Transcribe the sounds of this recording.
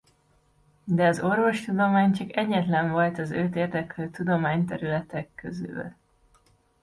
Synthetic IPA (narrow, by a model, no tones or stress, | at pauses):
d̪ɛɒzo̞rvo̞ʃt̪ud̪o̞maːɲt͡ʃɒkɛɟːɛt̪lɛɱvɒlt̪ɒzøːt̪eːrd̪ɛkːølt̪ud̪o̞maːɲt̪ɛɾylɛt̪ɛkːøzy̰l